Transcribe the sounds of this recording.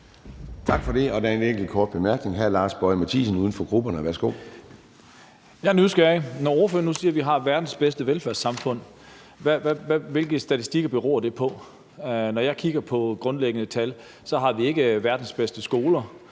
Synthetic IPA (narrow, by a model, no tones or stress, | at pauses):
t͡sʰɑ̈ɡ̥fɒ̽d̥e̝ɒ̽d̥æɐeneŋ̰ɡ̥l̩kʰɒ̰ːd̥̚b̥e̝mæɐɡ̥ne̝ŋɦæɐlɑ̈ːsb̥ɒɪmæt͡sʰḭːsn̩uːðˠn̩fɒ̽ɡ̥ʁub̥ɐnəʋæɐsɡ̥o̝̰ː | jɑ̈nysɡ̥ænɒɒɐføɐnusiːɐʋiɦɑ̈ʋæɐd̥n̩sb̥esd̥əʋelfæɐ̰sːɑ̈mfɔ̽n̰ | ʋæʋæʋæʋe̝lɡ̥ð̩sd̥æt͡sʰi̥sd̥iɡ̥ɐb̥e̝ʁɔ̰ːɐd̥e̝pʰɒ̽ | nɒjɑ̈ɪkʰiɡ̥ɐpʰɒ̽ɡ̥ʁɔ̽nleɡ̥ənət͡sʰæl | sɒ̽ɦɑ̈ʋie̝ɡ̥əʋæɐd̥n̩sb̥esd̥əsɡ̥o̝ːlɐ